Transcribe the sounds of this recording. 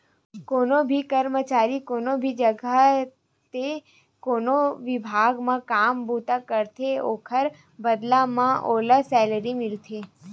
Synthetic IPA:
koːnobʱikəɾmət͡ʃaːɾikoːnobʱid͡ʒəɡa | t̪e | koːnoʋɪbʱaːɡmãkaːmbuːt̪akəɾt̪ʰeoːkʰəɾ | bəd̪lamãʔoːləsɛːləɾimɪlt̪ʰeː

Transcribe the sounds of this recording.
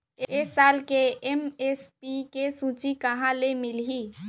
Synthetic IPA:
esaːlkeemespikesũːt͡ʃikəɦãlemɪlɦiː

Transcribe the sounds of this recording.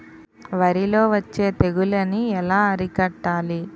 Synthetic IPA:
ʋɐɾilo̞ːʋɐt͡ʃːe̞ːt̪e̞ɡulɐniɛlaːɐɾikɐʈːaːli

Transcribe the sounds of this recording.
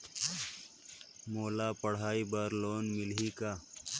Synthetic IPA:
moːlaːpɐɽ̤aːibaɾloːnmɪliːkaː

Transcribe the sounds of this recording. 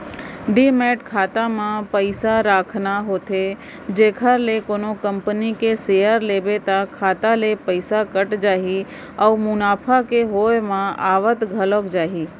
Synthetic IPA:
ɖiːmeːʈkʰaːt̪amãpəɪsaɾaːkʰnaɦoːt̪e | d͡ʒeːkʰəɾlekoːnokə̃mpənikeseːjəɾleːbet̪akʰaːt̪alepəɪsakəʈd͡ʒaːɦi | ɔːmʊnaːpʰakeɦoːjmãaːʋət̪ɡʱəlokd͡ʒaːɦiː

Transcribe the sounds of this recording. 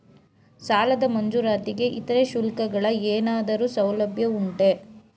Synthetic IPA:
saːlɐd̪ɐmɐɲd͡ʒuɾaːt̪iɡe̞ʔit̪ɐɾeʃulkɐɡɐɭɐeːnaːd̪ɐɾuːsɐwlɐbʱjɐuɳʈe

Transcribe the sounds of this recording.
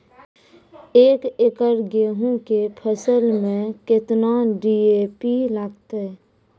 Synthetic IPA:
eːkekəɾɡeːɦõkepʰəsəlmẽket̪naɖiepilaːɡt̪eɛ

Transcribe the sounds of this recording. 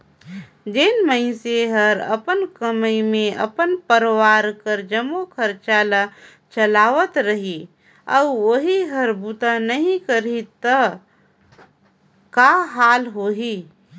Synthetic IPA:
d͡ʒenməɪ̃seɦəɾə̰pənkəməimẽʔɐ̰pənpəɾwaːɾkəɾd͡ʒəmokʰəɾt͡ʃaːla | t͡ʃəlaːʋət̪ɾəɦi | ɔːʋəɦiɦəɾbut̪anəɦĩkəɾit̪ə | kaɦaːlɦoːɦiː

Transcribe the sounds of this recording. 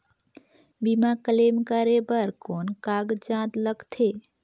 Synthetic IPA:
bimakəlemkəɾebəɾkonkaɡd͡ʒãd̪ləɡt̪ʰe

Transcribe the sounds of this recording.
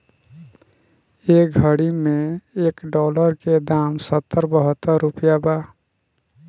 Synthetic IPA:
eːɡʱəɽimẽeːkɖɔːləɾked̪aːmsət̪ːəɾbəɦət̪ːəɾːʊpjabaː

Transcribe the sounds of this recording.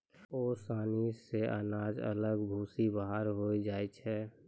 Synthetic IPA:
oːsaːniseʔə̰naːd͡ʒə̰ləɡbʱuːsibaɦaɾɦoid͡ʒaːit͡ʃʰɛ

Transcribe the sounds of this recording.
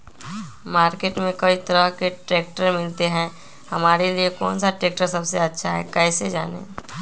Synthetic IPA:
maːɾkeːʈmẽkɐit̪ɐɾəɦkeʈɾeːk̚ʈəɾmɪlt̪eɦɛ̃ | hɐmaːɾeliekɔ̰ːnsaʈɾeːk̚ʈəɾsɐbseɐtːʃʰaɦɛ̰kɛːsed͡ʒa̰ːnḛː

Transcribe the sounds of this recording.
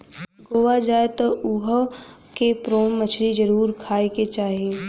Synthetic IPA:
ɡoːʋad͡ʒaːet̪oʊɦ | kepɾoːɽmət͡ʃʰɾid͡ʒəɾuːɾkʰaːeket͡ʃaːɦieː

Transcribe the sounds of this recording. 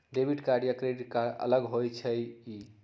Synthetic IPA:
ɖebʱiʈkaɖijakɾeɖkaə̰ləɡɦojt͡ʃʰəji

